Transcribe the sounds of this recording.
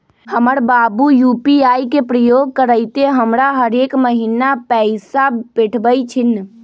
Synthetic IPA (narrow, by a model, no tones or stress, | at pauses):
həməɾbabujupiajkepɾəjoɡ̚kəɾəjt̪eɦəmɾaɦəɾekməɦinapɛɪsabeʈʰbəjt͡ʃʰin